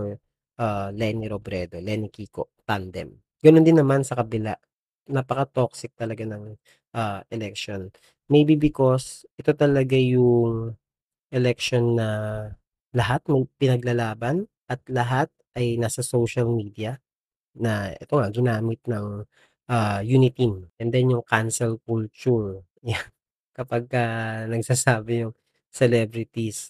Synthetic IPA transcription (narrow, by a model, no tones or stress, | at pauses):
ʔalɛniɾobɾɛːd̪olɛnɪkiːko̰ʔt̪and̪ɛ̰m | ɡ̥ɐno̞nd̪ɪnːɐmansɐkɐbɪla̰ʔ | nɐpɐkɐt̪oksɪk̚t̪ɐlɐɡanɐŋ | ʔaːʔɛlɛk̚ʃon | mɛjbibɪko̞sʔɛt̪o̞t̪ɐlɐɡajʊŋ | ʔɛlɛkʃonːɐ | lɐɦat̪̚mɐjpɪnɐɡlɐlaːbɐn | ʔɐt̪̚lɐɦat̪̚ʔɐjnaːsɐsowʃɐlmiːd̪ijɐ | nɐʔɛ̰t̪o̞ŋɐɡɪnaːmɪt̪̚nɐŋ | ʔajunɪt̪imʔɛnd̪ɛnjʊŋkansɛlkult͡ʃuɹ | jan | kɐpaɡ̚kɐnɐɡsaːsaːbɛjʊŋ | sɛlɛbɾɪt̪is